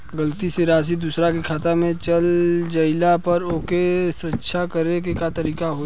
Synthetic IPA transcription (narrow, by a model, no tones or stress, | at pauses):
ɡəlt̪iseɾaːs̬id̪usɾakikʰaːt̪amẽt͡ʃɐld͡ʒɐɪlapɐɾoːkesɾətːʃʰakəɾekekat̪ɐɾiːkaɦo